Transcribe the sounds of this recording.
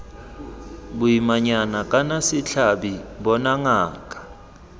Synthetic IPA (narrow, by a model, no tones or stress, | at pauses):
ɓujimaɲanakʼanasit͡ɬʰaɓiɓɔnaŋaːkʼḁ